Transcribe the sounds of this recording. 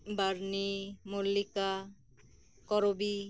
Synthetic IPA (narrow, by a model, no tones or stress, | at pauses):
baɾnimolːika | kɔɾobi